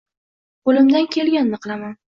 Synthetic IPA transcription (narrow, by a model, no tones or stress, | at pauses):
qolɪmd̪ankʲʰe̞lɡʲanːɨqlˠaman